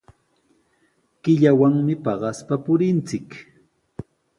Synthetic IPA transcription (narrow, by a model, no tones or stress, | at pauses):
kɪʎawaŋmɪpɑɢɑspapʊɾɪnt͡sɪk